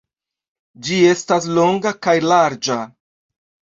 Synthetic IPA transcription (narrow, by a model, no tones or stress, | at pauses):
d͡ʒie̞stas̬lo̞ŋɡakajlaɾd͡ʒa